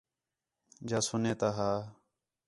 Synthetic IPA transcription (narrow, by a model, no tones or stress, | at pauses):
d͡ʒaːsʊnẽːt̪aːɦaː